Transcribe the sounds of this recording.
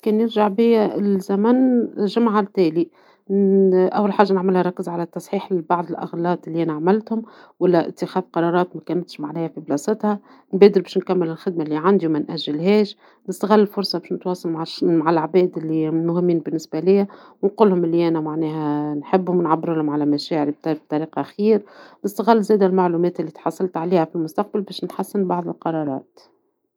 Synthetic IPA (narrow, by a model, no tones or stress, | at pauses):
kɛːnjɪɾʒaʕbɪjːæɪlzæmænʒɪmaʕalt̪ɛːli | ʔæwːalħaːʒːanɪʕmɪlhæɾˤɑkːɪzʕalæt̪ːɑsˤħiːħbɑʕd̪ˤɪlʔɑɣlɑːt̪ɪlːiʔænæʕamɪlt̪hʊm | wælːæʔɪ̰t̪ːɪxæːfqɑɾˤɑːɾˤɑːt̪mækæːnæt̪ʃmaʕnæːhæfiblɑːsˤɪt̪hæ | nbæːd̪ɪɾbɛːʃnkæmːɪlɪlxɪd̪̚maɪlːiʕand̪imænʔæʒːɪlɦɛːʃ | nɪst̪aɣɪlːɪlfʊɾsˤɑbeːʃnɪt̪wɑːsˤɑlmmaʕalaʕbɛːd̪ɪlːimʊhɪmːiːnbɪnːɪsbælɪjːæwnquːlːhʊmɪlːiʔænæmaʕnɛːɦænħɪbːhʊmnʕabɪɾɪlhʊmʕalæmæʃɛːʕɪɾib̚t̪b̚t̪ˤɑɾiːqɑʔxiːɾnɪst̪æɣɪlːzɛːd̪ælmaʕluːmɛːt̪ɪlːit̪ħɑsˤːɑlt̪ʕaliːhæfilmʊst̪ɑq̚balbɛːʃnħasːɪnbɑʕðˤɪlqɑɾˤɑɾˤɑ̰ːt̪